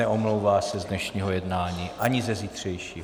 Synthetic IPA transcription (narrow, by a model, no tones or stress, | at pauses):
ɛʔomlowvaːsɛzdnɛʃɲiːɦo̞jɛdnaːɲiːʔaɲɪzɛziːt̪r̝̥ɛjʃiː